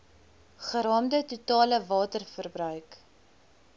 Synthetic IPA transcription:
χəɾɑːmdətutɑːləvɑːtərfərbrœɥk

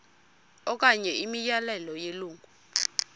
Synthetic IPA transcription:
ɔk̬ʼaɲɛimijalɛlɔjeluːŋɡʱu

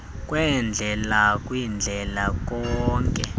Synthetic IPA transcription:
kʼwɛnd͡ɮʱɛlakʼwind͡ɮʱɛlak̬ʼɔːŋkʼɛ̰

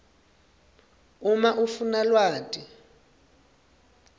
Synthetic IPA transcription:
umaʔufunalwaːtʼi

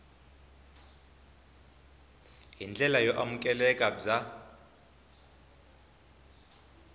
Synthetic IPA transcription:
ɦind͡ɮʱʼɛlajɔʔamukʼɛlɛkʼad͡za

